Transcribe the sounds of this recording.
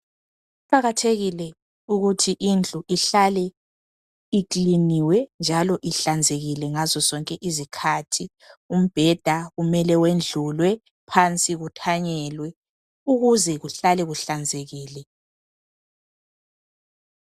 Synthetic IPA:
uǃaɣatʰeɣilɛ | uɣutʰiʔind͡ɮʱʼuʔiɬalɛ | ikliniwɛnd͡ʒʱalɔʔiɬand͡zʱeɣilɛŋazɔzɔŋkʼɛʔizikʰatʰi | um̩b̥ʱɛd̥ʱaɣumɛlɛwend͡ɮʱulwɛ | pʰant͡sʼiɣutʰaɲɛlwɛ | uɣuzɛɣuɬalɛɣuɬand͡zʱeɣiːlɛ

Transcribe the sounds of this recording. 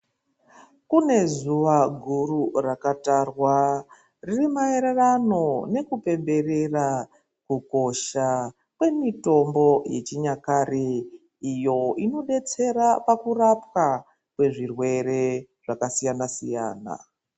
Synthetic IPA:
kune̞zuʋaɡʱururakatarwa | ririmaeɾerano̞ne̞kupe̞mbe̞re̞ra | kuko̞ʃa | kwe̞mito̞mbo̞je̞t͡ʃiɲakare | ijo̞ino̞ɗe̞t͡se̞ɾapakurap̚ka | kwe̞ʐirwe̞ɾe̞ | ʐ̥akasijanasḭja̰ːna̰

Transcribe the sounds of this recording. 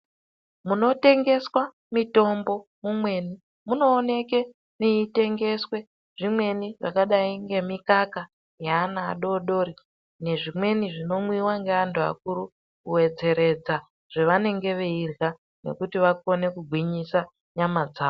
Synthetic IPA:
muno̞te̞ŋɡe̞swa | mito̞mbo̞mumwe̞ːni | muno̞ːne̞ke̞ | neite̞ŋɡe̞swe̞ | ʐ̥imwe̞niʐa̰kaɗaiŋɡe̞mikaka | jaːna̰ːɗo̞ɗo̞ɾi | ne̞ʐimwe̞niʐino̞mwiwaŋɡeantʰua̰k̚uɾu | kuwe̞d͡ze̞ɾe̞d͡za | ʐ̥eʋane̞ŋɡe̞ʋeirɣa | ne̞̰kutiʋako̞ne̞kuɡʱwiɲisa | ɲamad͡zaːo

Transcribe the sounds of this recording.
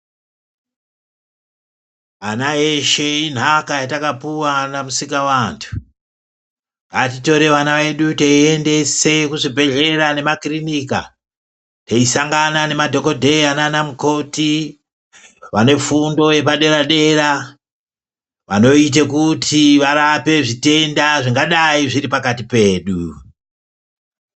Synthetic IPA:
anaeʃe̞in̤ɦakajatakapuwanamusikawantʰu̥ | atito̞ɾe̞ʋanaʋe̞ɗuteiende̞se̞kuʐibʱe̞ɮe̞rane̞makrinika | teisaŋɡanane̞madʱo̞ko̞dʱe̞jananamuko̞ti | ʋane̞fundo̞je̞paɗe̞ɾaɗe̞ɾa | ʋano̞it̬ekutʰiʋaɾape̞ʐite̞ndaʐiŋɡaɗaiʐiɾipakatipe̞ːɗu

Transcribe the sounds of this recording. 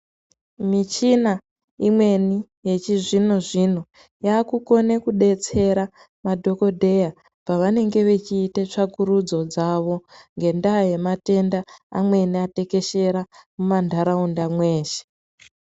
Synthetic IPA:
mit͡ʃina | imwe̞ni | je̞t͡ʃiʐino̞ʐin̤o̞ | jaːkuko̞nekuɗe̞t͡se̞ɾa | madʱo̞ko̞dʱe̞ja | paʋane̞ŋɡe̞ʋe̞t͡ʃiːtet͡ʂakuɾud͡zo̞d͡zaʋo̞ŋɡe̞ndaje̞mate̞ndaa̰mwe̞niate̞ke̞ʃe̞ɾamumandʱaɾaundamwe̞ːʃe̥

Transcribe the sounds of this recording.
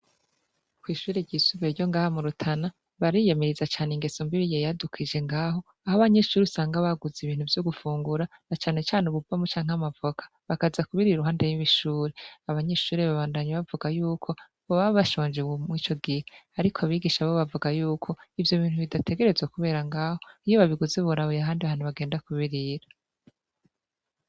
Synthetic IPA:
kwiːʃuːɾeɟiːsuβeɾɟo̞ŋɡaːhamuɾutʰana | βaɾijemeɾizat͡ʃaːneŋɡesombiɾijejadukʰid͡ʒe̞ŋɡaːɦo̞ | ahoβaɲeʃuːɾisaːŋɡaβaɡuziβiːn̥huvjoɡufuːŋɡuɾa | nat͡ʃaːne̞t͡ʃaːneβubamut͡ʃaːɲŋhamavokʰḁβakazakuβiɾiɾuɦaːndejiβiʃuːɾeaβaɲe̞ʃuːɾeβaβaːndaɲaβavuɡajuːkʰo | βoβaββaʃoːɲd͡ʒeumŋiːt͡ʃo̞ɡiheaɾikʰoaβiɡiʃaβoβavuɡajuːkʰo̞ivjo̞βiːn̥huβidate̞ɡe̞ɾe̞zwakuβe̞ːɾaŋɡaːhoijoβaβiɡuzeβuɾaβojaɦaːndiaβaːn̥uβaɡeːndakuβiɾiɾa

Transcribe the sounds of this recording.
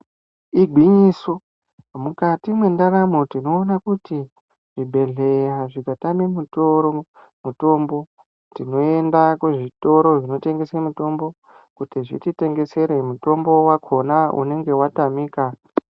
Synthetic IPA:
iɡʱwiɲiso | mukatimwe̞ndaɾamo̞tino̞ːnakuti | ʐ̥ibʱe̞ɮe̞raʐikatamimutoɾo | muto̞mbo̞ | tino̞e̞ndakuʐito̞ɾo̞ʐino̞te̞ŋɡe̞semuto̞mbo̞ | kutiʐḭtite̞ŋɡe̞se̞ɾe̞muto̞mbo̞wakʰo̞naṵne̞ŋɡe̞watamiːka

